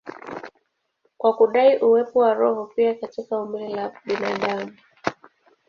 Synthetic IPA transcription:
kwakuɗaiʔuwɛpɔwaɾɔhɔpiakatikaumililaɓinaɗamu

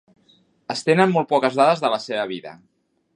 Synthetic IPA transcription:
əst̪enənmːɔlˠt̪̚pɔkəzðaðəzðələseβəβiðə̰

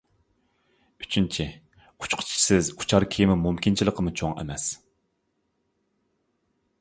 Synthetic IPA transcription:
yt͡ʃʰynt͡ʃʰi | u̥t͡ʃqʰʊ̥t͡ʃʰi̥sɪzu̥t͡ʃʰɑɾkʲʰejmɪmumkʲint͡ʃʰilˠəqʰəmut͡ʃʰoŋɛ̰mɛs

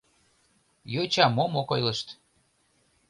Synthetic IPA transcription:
jot͡ɕɑmomokojlə̆ʃt̪

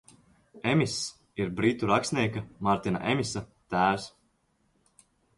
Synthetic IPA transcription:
ɛmʲis | iɾbɾit̪uɾaksniɛkamaɾt̪ina̰ʔɛmʲisat̪æːws

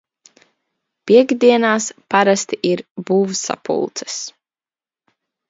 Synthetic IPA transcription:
pʲiɛɡd̪iɛnaːspaɾast̪iʔiɾbuːvsa̰pṵlˠt̪sɨ̥s

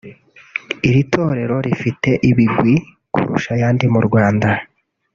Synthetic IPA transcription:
iɾitʰo̞ːɾe̞ɾo̞ɾifite̞ʔiβiɡɡwi | kṵɾṵʃajaːndimuɾɡwaːnda

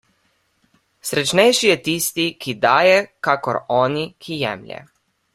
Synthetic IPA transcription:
sɾɛt͡ʃnɛjʃijɛt̪iːst̪ikid̪aːjɛkakɔɾɔːnikʰijɛ̰mlʲjɛ̰

